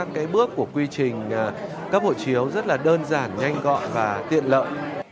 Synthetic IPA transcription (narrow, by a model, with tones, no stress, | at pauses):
a˦˥kːaː˨˦jɓɨ˦˥əkːu˧˩əkwi˧t͡ɕï˨˩ŋ̟˩ | kaː˦˥k̚ho̰˧˨t͡ɕi˨˦əwzə˦˥t̚laː˨˩ɗəː˧nzaː˧˩nɲa˧jŋ̟ɣɔ̰˧˨nvaː˨˩t̪ḭ˧˨ənlə̰ː˧˨j